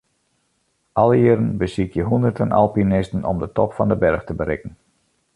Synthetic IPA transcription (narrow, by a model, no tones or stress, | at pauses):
ʔɑlˠəɪəɾənbəsikʰjəɦundərtənɑ̰lˠpinɪstənɔ̰mdətɔpfɑndəbɛrxtəbəɾɪkən̩